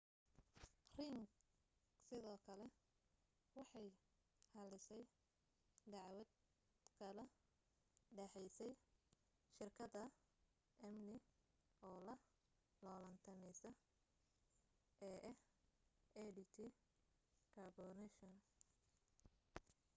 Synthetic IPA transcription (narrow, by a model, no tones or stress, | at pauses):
riŋɡ | sɪðɔːkʰɐlɛ | wɑħɑj | hɐlɪsɛj | d̪ɑʕwɐd̪ | kʰɐlɐ | ɖɛħɛjsɛj | ʃɪrkʰɐdɐ | ʔɐmnɪ | ɔːlɐ | lɔːlɐnt̪ʰɐnɛjsɐ | ʔɛːʔɛh | ɛdɪt̪ʰɪ | kʰɐbɔnɛʃɔn